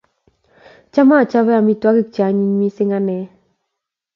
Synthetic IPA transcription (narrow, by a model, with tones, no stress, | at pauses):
t͡ʃa˦ma˦˨t͡ʃa˦βɛ˦a˨mi˦twa˦kɪ˦k̚t͡ʃa˨˦ɲi˦ɲmi˦sɪ˦ŋa˦nɛ˨˦